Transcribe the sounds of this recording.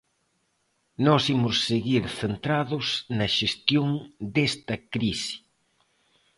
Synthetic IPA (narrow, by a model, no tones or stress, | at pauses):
nɔsimʊsːeɣiɾθent̪ɾaðʊsnɐʃest̪joŋd̪est̪ɐkɾisi̥